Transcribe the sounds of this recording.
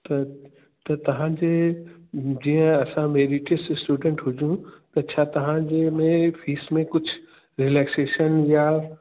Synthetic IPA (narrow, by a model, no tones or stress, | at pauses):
t̪ɐ | t̪ɐt̪ɐʋ̤ãd͡ʑeː | d͡ʑiːə̃ɐsãmeːɾiʈəssʈuːɖə̃ɳʈɦʊd͡ʑũt̪ɐt͡ɕʰaːt̪ɐʋ̤ãd͡ʑemẽfiːsmẽkʊd͡ʑʱʊ | ɾileːkseːʃənjaː